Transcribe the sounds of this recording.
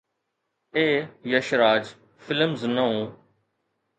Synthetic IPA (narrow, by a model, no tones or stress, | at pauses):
eːjəʃɾaːd͡ʒ | fɪləmznəũː